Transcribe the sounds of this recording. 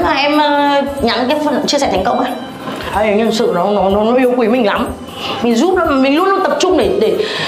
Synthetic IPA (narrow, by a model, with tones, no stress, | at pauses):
maː˨˩ʔɛ˧məː˨˩ɲa˨˦nkaː˨˦jfə˨˩n˨t͡ɕi˧əsɛ˧˩t̪ʰjŋ̟kə˧wŋ͡mʔa˧j | ʔa˧jʔa˧˩ŋʔɛ˧msɨ̰˧˨nɔ˨˦nɔ˨˦nɔ˨˦nɔ˨˦ʔi˨˦əwkwi˨˦mï˨˩ŋ̟la˨˦m | mï˨˩ŋ̟zu˦˥p̚lɔ˨˦ma˨˩mï˨˩ŋlʊ˦˥nːɔ˨˦t̪ə˨˩p̚t͡ɕʊ˧ŋ͡mɗe˧˩ɗe˧˩